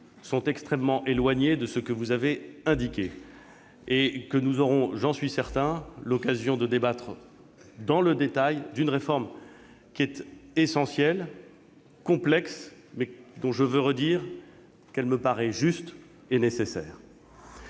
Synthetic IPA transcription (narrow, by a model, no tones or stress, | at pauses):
sɔ̃t̪ɛkst̪χɛmːɑ̃ʔelwaɲed̪əsəkəvuzaveɛ̃d̪ikʲe | ekənuzɔʁɔ̃ʒɑ̃sɥisɛʁt̪ɛ̃lɔkazjɔ̃d̪əd̪ebat̪χ | d̪ɑ̃ləd̪et̪ajd̪ynʁefɔʁm | kʲiɛt̪esɑ̃sjɛl | kɔ̃plɛks | mɛd̪ɔ̃ʒəvøʁəd̪iːʁ | kɛlməpaʁɛʒyst̪ | enesesɛ̰ːʁ